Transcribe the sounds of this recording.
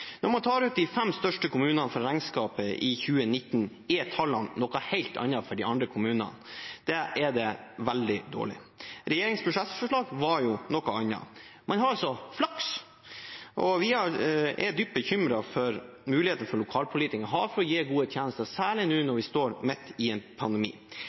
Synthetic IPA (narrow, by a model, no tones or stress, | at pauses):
nɔɾmɑnt̪ʰɑːɾʉːt̪̚d̪ɪfɛmst̪œʂʈəkʰʊmʉːnɑnəfɔɾɾɑŋskɑːpəʔɪçʉːənɪt̪ːn | ɪɛt̪ʰːɑlːɑnnɔkːɑhæɪlt̪ʰɑ̰nːɑfɔɖɪɑnd̪ɾəkʰʊmʉːnɑ̰nd̪̥ɛʔɛd̪ɛʋɛld̪ɪd̪o̰ːɭɪ̰ɾɛjeːɾɪŋspʰɾʊʂɛt̪fɔʂɭɑːɡʋɑɾjʊnɔkɑɑnːɑ̰mʔɑnɦɑɾɑlsɔflɑks | ʔɔʋɪhɑɾɛ̰d̪yːp̚bəçʏmɾɑfɔɾ | mʉːlɪheːt̪ənəfɔɭʊkʰɑːlpʰʊliːt̪ɪknɦɑɾfɔɾɔjeːɡuːət̪ʰjæːnəst̪əsæːɭɪnʉːnɔɾʋɪst̪oːɾmɛt̪ːɪɛnpʰɑnd̪ɛmḭː